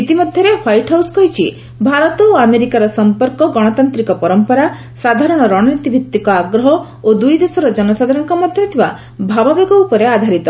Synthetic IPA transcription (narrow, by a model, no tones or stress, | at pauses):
it̪imɔd̪ʱjɔɾehajʈɦawskɔjt͡ʃʰi | bʱaɾɔt̪ɔoameɾikaɾɔsɔmpɔɾkɔɡɔɽ̃ɔt̪ant̪ɾikɔpɔɾɔmpɔɾa | sad̪ʱaɾɔɽ̃ɔɾɔɽ̃ɔnit̪ibʱit̪ːikɔaɡɾɔɦɔ | od̪ujd̪esɔɾɔd͡ʒɔnɔsad̪ʱaɾɔŋkɔmɔd̪ʱjɔt̪ʰiba | bʱababeɡɔupɔɾead̪ʱaɾit̪ɔ